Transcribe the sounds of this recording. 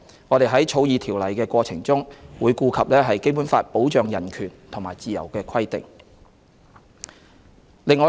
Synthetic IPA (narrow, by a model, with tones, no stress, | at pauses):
ŋɔː˨˧t̪e˨jɦɐ˨˥jt͡ʃʰo˨˧wjiː˨˧t̪ʰiː˨˩wlɐ˨˩jkɛː˧kʷɔː˧t͡sʰɪ˨˩ŋt͡sʊ˥ŋwuː˨˧jkuː˧kʰɐ˨p̚lɛː˥ɦɐ˨jke˥jpu˨˥nfaː˧t̚po˨˥wt͡ʃœː˨ŋjɐ˨˩nkʰyː˨˩nt̪ʰʊ˨˩ŋmaː˨˩jt͡siː˨jɐ̰˨˩wkɛː˧kʰɐ˥jt̪ɪ̰˨ŋ | lɪ˨ŋɔː˨˧